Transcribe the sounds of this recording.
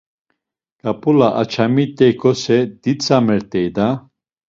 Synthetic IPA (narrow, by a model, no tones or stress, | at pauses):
kʼapʼulaʔat͡ʃʰamit̪ʼɛkʰʼɔsɛd̪̥it͡sʼamɛɾt̪ʼɛjd̪a